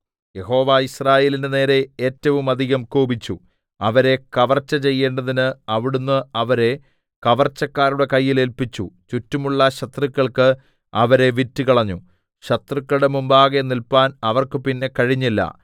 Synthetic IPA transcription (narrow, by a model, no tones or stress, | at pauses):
je̞ɦo̞ːʋaːisraːje̞ːlindene̞ːɾe̞eːtːɐʋumɐd̪ʱiɣɐmkuːbit͡ɕːu | ɐʋɐɾe̞kɐʋɐrt͡ɕːɐt͡ɕe̞jːe̞ːɳɖɐðinɨɐʋiɽunːɨɐʋɐɾe̞ | kɐʋɐrt͡ɕːɐkːaːruɽe̞kɐjːile̞lpit͡ɕːut͡ɕutːumuɭːɐɕɐt̪rikʲːɐɭkɨ | ɐʋɐɾe̞ʋitːukɐɭɐɲːu | ɕɐt̪rikːɐɭɽe̞mumbaːɣɐenːilpaːnɐʋɐrkɨpinːe̞kɐɻiɲːilːɐ̰